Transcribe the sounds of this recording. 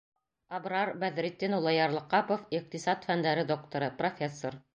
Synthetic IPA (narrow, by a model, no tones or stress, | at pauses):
ɑbɾɑɾbæðɾit̪ːinulˠɑjɑɾlˠɤ̆qɑpofiq̚t̪isɑt̪fænd̪æɾɘd̪ok̚t̪ŏɾɤprofʲesːoɾ